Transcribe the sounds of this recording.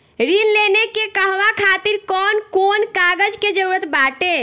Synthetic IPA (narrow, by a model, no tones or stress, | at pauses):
ɾinlenekekəɦʋakʰat̪iɾkɔnkonkaɡəd͡ʒked͡ʒəɾuɾət̪baʈe